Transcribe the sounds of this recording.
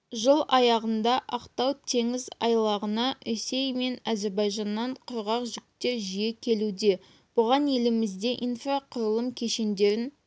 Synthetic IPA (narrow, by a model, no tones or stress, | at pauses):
ʒəlˠɑjɑʁənd̪ɑʔɑqt̪ɑwt̪ʰe̞ŋɪzɑ̰jlˠɑʁənɑɵse̞jme̞næze̞ɾbɑjʒɑnːɑɴqʰʊɾʁɑqʒʏk̚t̪e̞ʒijekʲʰe̞lud̪e̞ | b̥ʊʁɑnje̞lɪmɪzd̪e̞ʔinfraqʰʊɾəlˠəmkʲʰe̞ʃe̞nd̪e̞ɾɪn